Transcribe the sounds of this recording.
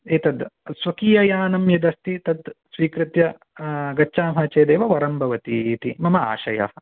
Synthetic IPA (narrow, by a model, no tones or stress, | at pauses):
eːt̪ɐd̪sʋɐkiːjɐjaːnɐmjɐd̪ɐst̪it̪ɐd̪sʋiːkɾɪt̪jɐ | ɡɐt͡ʃːʃaːmɦɐt͡ʃeːd̪eːʋɐʋɐɾɐmbʱɐʋɐt̪it̪imɐmɐa̰ːʃɐjɐ̰ɦɐ̆